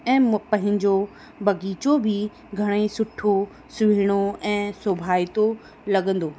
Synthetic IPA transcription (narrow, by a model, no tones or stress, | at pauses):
ɛ̃ːpɐ̃ɦɪ̃ɲd͡ʑo | bɐɡiːt͡ɕobʱɪ | ɡʱɐɽ̃esʊʈʰːo | sʊʋiɽ̃oɛ̃ːsobʱaːɪt̪o | lɐɠə̃nd̪oː